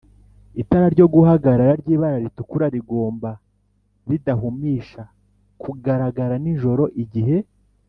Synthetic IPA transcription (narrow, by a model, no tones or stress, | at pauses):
itaɾaɾɟo̞ɡuhaɡaɾaɾaɾɟiːβaɾaɾitukuɾaɾiɡo̞ːmba | βidaɦumiʃa | kuɡaɾaɡaɾaniʒo̞ɾo̞ʔiɟiɦe̞